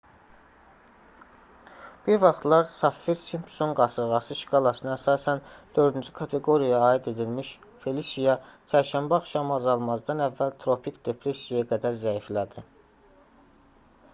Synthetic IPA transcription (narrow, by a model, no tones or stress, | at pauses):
b̥iɾvɑχt̪lˠɑɾsɑfːiɾsimpʰso̞nɡɑsɯɾʁɑsɯʃkʰɑlˠɑsɯnɯæsɑːsænd̪̥ø̞ɾd̪ind͡ʒykʰɑt̪ʰe̞ɡo̞ɾijɑːid̪e̞d̪ilmiʃ | fe̞lisijɑt͡ʃʰæɾʃæmbɑχʃɑmɑzɑlˠmɑzd̪ɑnævːælt̪ʰɾo̞pʰikd̪̥e̞pʰɾe̞sijjaɡæd̪æɾzæiflæd̪i